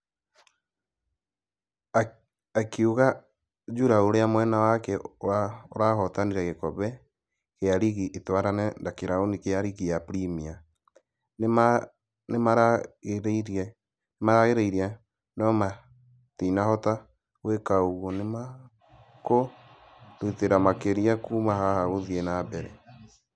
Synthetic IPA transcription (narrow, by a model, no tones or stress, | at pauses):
kiuɣa | d͡ʒuɾaoɾeamwɛnawakɛwaoɾahɔtaniɾɛɣekɔβɛ | keaɾiɣiʔetwaɾanɛndakiɾaonikeaɾiɣijapɾimia | nma | nemaɾaɣeɾɾɛ | nemaɾaɣeɾeiɾja | nɔma | tinahɔta | wekaoɣonema | ko | ɾuteɾamakeɾiakumahahaɣoðienabɛɾɛ